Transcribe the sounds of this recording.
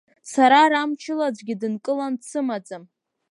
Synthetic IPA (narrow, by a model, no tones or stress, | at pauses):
saɾaɾamt͡ʃʰɪlad͡zʷɡʲɪdɨnkʼɨlansʰɨmad͡zam